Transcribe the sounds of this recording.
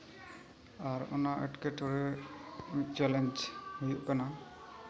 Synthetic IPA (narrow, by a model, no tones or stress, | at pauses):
aɹɔ̰naʔɛ̰ʈkeʈɔɹɛ | t͡ʃɛlɛnd͡ʒhujuʔkana